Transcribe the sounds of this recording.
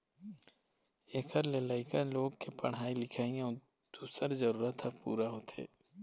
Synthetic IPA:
eːkʰəɾlelaːɪkaloːɡkepəɽ̃ɦaːilɪkʰaːijã | d̪̥uːsəɾzəɾuːɾət̪ʰːapṵːɾaɦoːt̪ʰḛː

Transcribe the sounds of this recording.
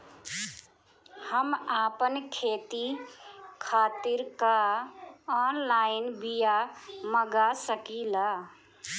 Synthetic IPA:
həmapənkʰet̪i | kʰaːt̪iɾka | ɔnlaɪnbijaməɡasəkila

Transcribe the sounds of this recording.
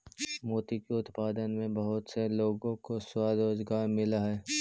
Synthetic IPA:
moːt̪ikeʊt̪paːd̪ənmẽbɐɦʊt̪seloːɡõkoswaːd̪oːd͡ʒɡaːɾmɪlaɦɛː

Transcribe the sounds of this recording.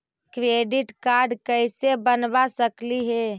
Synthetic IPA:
kɾeɖiʈkaɾɖkəɪsebənbasəkliɦe

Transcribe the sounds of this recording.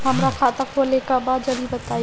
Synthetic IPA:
ɦəmɾakʰat̪akʰolekabad̪d͡ʒəlibət̪ai

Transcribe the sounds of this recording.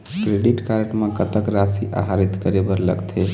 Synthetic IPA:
kɾeɖiʈkaɾʈmekət̪əkɾasiʔa̰ɦaɾit̪kəɾebəɾlə̰ɡt̪ʰe

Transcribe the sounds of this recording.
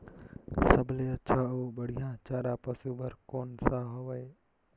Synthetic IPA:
səbleːətːt͡ʃʰaːoːbəɽ̤ijãːt͡ʃaːɾaːpəsuːbəɾkoːnsaɦoʋəe

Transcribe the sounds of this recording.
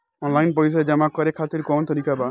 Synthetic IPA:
ɔnlajnpojs̬ad͡ʒamakɔɾekʰat̪iɾkɔnt̪ɔɾikaba

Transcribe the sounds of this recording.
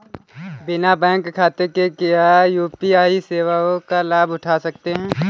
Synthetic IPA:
bɪnabɛ̃ːŋkkʰːaːt̪ekekɪajuːpiaːiseːʋaõkalaːbʊʈʰasɐk̚t̪eɦɛ̃ː

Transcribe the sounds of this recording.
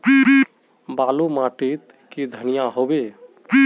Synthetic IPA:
baːlumaʈit̪ | kid̪ʱənijaɦobe

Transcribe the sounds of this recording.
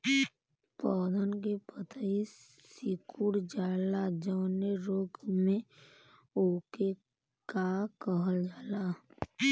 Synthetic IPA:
pɔːd̪ənk̬epət̪ai | sikuɽd͡ʒaːlad͡ʒəʋneɾoːɡmẽ | oːke | kakəɦəld͡ʒaːla

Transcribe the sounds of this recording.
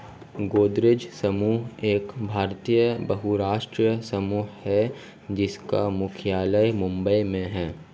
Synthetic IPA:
ɡoːd̪ɾɪd͡ʒsɐmuːɦeːkbʱaːɾt̪ijəbɐɦuɾaːʃʈɾijəsɐmuːɦhɛ | d͡ʒɪskamʊkʰjaːləjmʊ̃mbəimẽɦɛː

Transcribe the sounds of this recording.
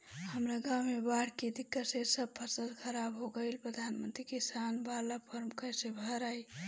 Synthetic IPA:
həmɾaɡawmebaɽ̤ked̪ikːəsesəb̚pʰəsəlkʰəɾabɦoɡəɪlpɾəd̪ʱanmənt̪ɾikisanbalapʰəɾmkəjsebʱəɾaj

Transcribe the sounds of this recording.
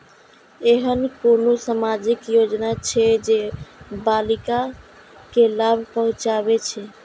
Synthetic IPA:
eɦənkonosamad͡ʒikjod͡ʒnat͡ʃʰɛd͡ʒebalika | kelabʱpəɦʊ̃t͡ʃabet͡ʃʰɛ

